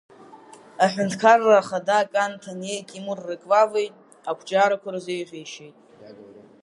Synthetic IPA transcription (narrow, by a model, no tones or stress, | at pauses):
aħʷᶣʊntʰkʰarːaːχadakʼantʰane̞jtʼimurːekʼvavejtʼ | akʷʰt͡ʃʼaɾakʷʰaɾazejʁʲejʃejtʼ